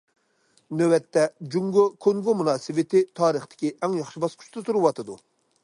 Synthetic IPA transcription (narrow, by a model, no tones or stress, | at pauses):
nøwɛt̪ːɛd͡ʒuŋɡokʲʰoŋɡomunɑːsɨwɪt̪ʰɪt̪ʰɑːɾəχt̪ʰɪ̥kʲiʔɛŋjɑχʃibɑsqʰʊ̥ʃt̪ɨt̪uɾɨwɑt̪ʰɨd̪u